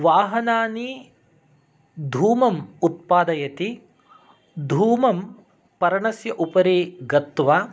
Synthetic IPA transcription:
ʋaːɦɐnaːni | d̪ʱuːmɐmut̪̚paːd̪ɐjɐt̪i | d̪ʱuːmɐm | pɐɾɐɳɐsjɐʔupɐɾiːɡɐt̪ːʋaː

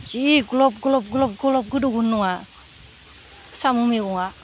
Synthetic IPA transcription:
d͡ʒiɡulɔp̚ɡulɔp̚ɡulɔp̚ɡɔlɔp̚ɡuduɡunːuŋa | samumiɡɔŋa

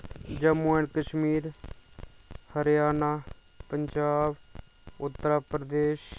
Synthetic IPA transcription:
d͡ʒəmuenkəʃmiːɾ | həɾjaːnaː | pəɲd͡ʒaːb | ʊt̪ːəɾaːpɾəd̪eːʃ

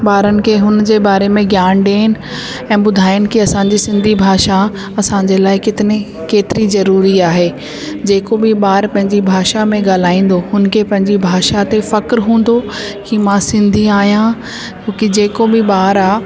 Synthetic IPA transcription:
baːɾənɪ̆kʰeɦʊnd͡ʑeːbaːɾemẽɡjaːnɖeːnɪ̆ | ɛ̃ːɓʊd̪ʱaːɪənɪ̆kiɐsãɲd͡ʑisɪ̃nd̪ʱibʱaːʃa | ɐsãːɲd͡ʑeːlaːɪkɪt̪ɪni | keːt̪ɪɾizɐɾuːɾiaːɦeː | d͡ʑeːkobʱɪɓaːɾpɐ̃ɦɪ̃ɲd͡ʑibʱaːʃamẽɡaːl̤aːĩːn̆d̪oɦʊnkʰepɐ̃ɦɪ̃ɲd͡ʑibʱaːʃat̪efɐkɾɦũːn̆d̪o | kimãsɪ̃nd̪ʱiaːɦijã | t͡ɕõːkid͡ʑeːkobɪɓaːɾaː

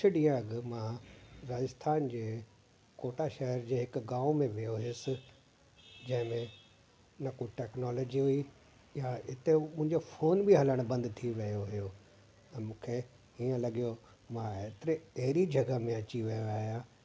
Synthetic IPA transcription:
ʊt͡ʃʰʊɗĩːə̃ɐɡmãɾaːd͡ʑɪst̪ʰaːnd͡ʑeː | koːʈaʃɐɦəɾd͡ʑeːɦɪkɡãːmẽʋɪjoɦɪsɪ̆ | d͡ʑɐ̃ɦɪ̃mẽ | nɐkoʈɛːknɔːlɔːd͡ʑiɦui | jaɪt̪emʊ̃ɪ̃ɲd͡ʑofoːnbiɦɐləɽ̃bɐ̃nd̪t̪ʰiʋɐjoɦɪjõ | mũːkʰe | iːə̃lɐɠijo | mãeːt̪ɪɾeɛɦɪɾid͡ʑʱɐɡəmẽɐt͡ɕiʋɐjoaːɦijãː

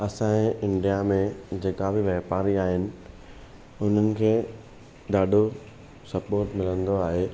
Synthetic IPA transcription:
ɐsãːẽɪ̃ɳɖijamẽd͡ʑeːkabʱɪʋɐɦpaːɾiaːɦɪnɪ̆ | ʊn̤ənɪ̆kʰeː | ɗaːɖʱo | sɐpoːɾʈmɪlə̃nd̪oaːɦeː

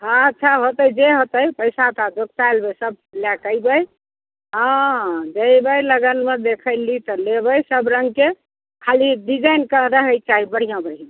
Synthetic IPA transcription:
ɦãətːt͡ʃʰaɦot̪əjd͡ʒeɦot̪əjpəɪsat̪ad͡ʒok̚t̪ajlbesəb̚ljakəjbəj | ɦə̃d͡ʒəjbəjləɡənmed̪ekʰəɪlit̪ɔlebəjsəbɾəŋɡke | kʰaliɖid͡ʒajnkəɾəɦəjk̚t͡ʃaɦibəɽ̤ijãbəɽ̤ijã

